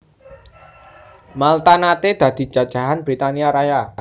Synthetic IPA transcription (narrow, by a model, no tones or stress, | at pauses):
malt̪anat̪ed̪̥ä̤d̪̥i̤̥d͡ʒ̥ä̤d̥ʒ̥ä̤ɦanbɾit̪aniaɾaja